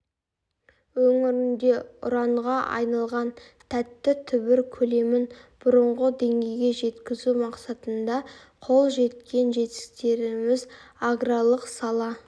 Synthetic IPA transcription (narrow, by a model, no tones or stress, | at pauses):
wɵŋɪɾɪnd̪e̞ʊ̰ɾɑɴʁɑʔɑ̰jnɑlˠʁɑn | t̪ʰæt̪ːɪt̪ʰʏbɪɾkʲʰɵle̞mɪnb̥ʊɾəɴʁəd̪e̞ŋɡʲe̞jɡʲe̞ʒe̞t̪kʲɪzumɑqsɑt̪ənd̪ɑ | qʰo̞lˠʒe̞t̪̚kʲe̞nʒe̞t̪ɪ̥st̪e̞ɾɪmɪzaɡralˠəqsɑlˠɑ